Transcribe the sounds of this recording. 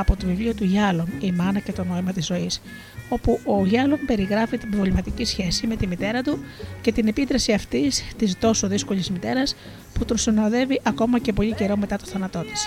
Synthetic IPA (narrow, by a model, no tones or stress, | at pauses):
ɐpo̞t̪o̞vivlio̞t̪uʝɐlo̞mimɐnɐce̞t̪o̞no̞imɐt̪izːo̞is | o̞puʔo̞ʝɐlo̞mpe̞ɾiɣɾɐfit̪ivolimɐt̪icisçe̞sime̞t̪imit̪e̞ɾɐt̪uce̞t̪ine̞pit̪ɾɐsiɐft̪ist̪ist̪o̞so̞ðisko̞ʎizmit̪e̞ɾɐs | put̪unsinoðe̞viʔɐko̞mɐce̞p̬o̞ʎice̞ɾo̞me̞t̪ɐt̪oθɐnɐt̪o̞t̪i̥s